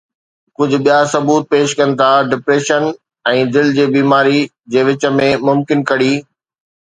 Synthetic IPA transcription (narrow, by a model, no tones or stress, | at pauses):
kʊd͡ʑʱʊ̆ɓijasɐbuːt̪̚peːʃkɐ̃nɪ̆t̪ʰaɖɪpɾeːʃən | ɛ̃ːd̪ɪl̤d͡ʑeːbiːmaːɾi | d͡ʑeːʋɪt͡ɕə̆mẽmʊmkɪnkɐɽiː